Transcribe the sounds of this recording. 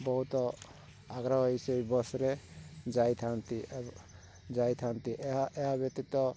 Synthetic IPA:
bɔɦut̪ɔ | aɡɾaɦʌjseibɔsɾed͡ʒajt̪ʰant̪i | d͡ʒajt̪ʰant̪iʔɦaeɦabjek̚t̪it̪ɔ

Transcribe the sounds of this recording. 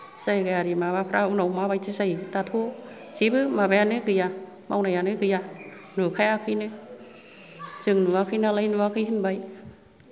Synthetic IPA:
sajɡaaɾimaβapʰɾaunowmaβajt͡ʃisajt̪at̪ʰo | sibɯmaβɛanɯkɯja | mawnajanɯkɯja | nukʰaakʰinɯ | zɯŋnuakʰinalajnuakʰiɦɯnbaj

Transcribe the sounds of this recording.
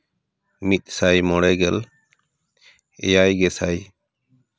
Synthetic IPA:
mit̪̚ˀsajmɔɽɛɡɛl | ɛ̰jajɡɛsaj

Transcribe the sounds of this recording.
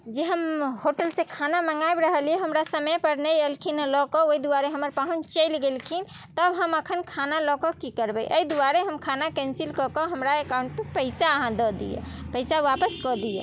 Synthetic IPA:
d͡ʒeɦəmhoʈəlsẽkʰanaməŋɡaebɾəɦəlijeɦəmɾasəməjpəɾnəjelkʰinlɔkɔoid̪uwaɾeɦəməɾpaɦũnt͡ʃəɪlɡelkʰin | t̪əbɦəməkʰənkʰanalɔkɔkikəɾbɛjʔəid̪uaɾeɦəmkʰanakɛ̃nsilkɔkɔɦəmɾaekaʊ̃ɳʈ̚pepəɪsaəɦãd̪ɔd̪ḭjḛpəɪsaʋapəskɔd̪ijḛ

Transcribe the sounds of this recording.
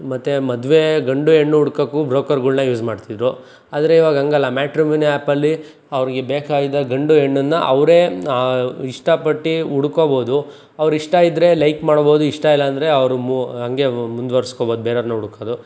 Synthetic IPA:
mɐt̪ːemɐd̪ʋeɡɐɳɖueɳːuuɽkɐkːubɾoːkɐɾɡuɭnɐjuːzmaːɖt̪id̪ɾu | aːd̪ɐɾe̞iːʋaːɡɐɦɐŋɡɐlːɐmaːʈɾimuːnaːpɐlːi | ɐʋɐɾiɡe̞beːkaːjid̪ɐɡɐɳɖueɳːunːɐʔɐʋɾe̞ː | iʂʈɐpɐʈːiuɽukobo̞ːd̪u | ɐʋɾiʂʈɐid̪ɾe̞lɐjkmaːɽbo̞ːd̪uiʂʈɐilːɐːnd̪ɐɾe̞ɐʋɾumuɐŋɡe̞mund̪ʋɐɾiskoboːd̪ubeːɾɐɾnːɐuɽkoːd̪u

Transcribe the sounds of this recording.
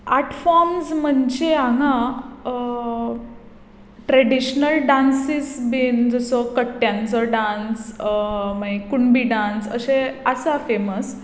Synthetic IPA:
aʈfɔɾmzməɳd͡ʑeãŋã | ʈɾeɽiɕnəlɖãnsisbind͡zəsɔkəʈːjãnt͡sɔɖãns | makuɳbiɖãnsə̰seəsafeməs

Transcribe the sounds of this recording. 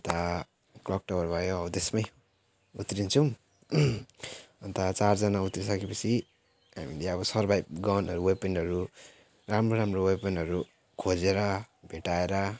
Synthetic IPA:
ʌnt̪a | klʌk̚ʈʌbʌɾbʱʌjoʌbʌt̪esmʌj | ut̪ɾint͡sʰʌ̃ | ʌnt̪at͡sard͡zʌnaut̪risʌkepʌt͡sʰi | ɦa̰mileʌbʌsʌrbʱajp̚ɡawnʌɾuwepenɖɦʌɾu | ramroɾamrowepenɖʌɾu | kʰod͡zeɾʌbʱeʈaeɾʌ

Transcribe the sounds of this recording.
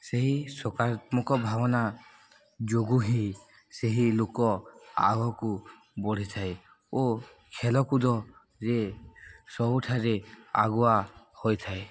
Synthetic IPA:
seɦisɔkaɾɔt̪mɔkɔbʱabɔna | d͡ʒoɡuɦi | seɦilokɔa̰ɡɔku | bɔɽ̤it̪ʰaj | o | kʰɛlɔkud̪ɔ | ze | sɔbuʈʰaɾea̰ɡɔwa | hojt̪ʰaj

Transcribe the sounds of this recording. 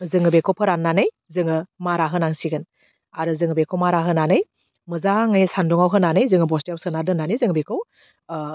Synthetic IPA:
zɯŋɯbekʰɔwpʰɯɾanːanɯj | zɯŋɯmaɾaɦɯnaŋsiɡɯn | aɾɯzɯŋɯbekʰowmaɾaɦɯnanɯj | mɯzaŋɯjsanduŋawɦɯnanɯjzɯŋɯbɔstijawsɯnadɯnanizɯŋbekʰɔw

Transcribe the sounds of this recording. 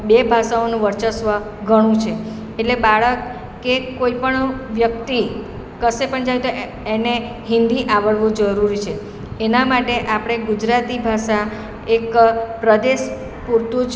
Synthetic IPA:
bebʱaʃaonũʋəɾt͡ʃəsʋə | ɡʱəɽ̃ũt͡ʃʰe | eʈlebaɭəkː | ekoipəɳʋjək̚t̪i | kəʃepəɳd͡ʒajt̪o | ene | ɦɪ̃nd̪iʔaʋəɭʋũd͡ʒəɾuɾit͡ʃʰe | enamaʈeʔapəɽ̃eɡud͡ʒɾat̪ibʱaʃa | ekpɾəd̪eʃ | puɾt̪ũd͡ʒ

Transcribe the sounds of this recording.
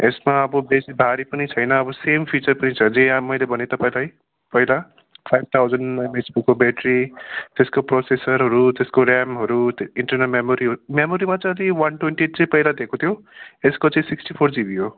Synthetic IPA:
esmaʌbʌbesibʱaɾipʌnit͡sʰʌjnʌːbʌsempʰit͡sʌrpʌnit͡sʰʌd͡zẽmʌjlebʱʌnet̪ʌpãĩlaj | pʌjla | pʰajb̚t̪ʰawd͡zʌnamesbukːobeʈɾrit̪eskoprosesʌɾɦʌɾut̪eskoɾamɦʌɾut̪iɳʈʌrnʌlmemoɾiɦɾumemoɾimat͡sʌj̃ʌd̪iwʌnʈwenʈieʈ̚t͡sʌ̃ĩpʌijlad̪ekot̪ʰjo | eskot͡sãĩsiksʈipʰord͡zibiɦo

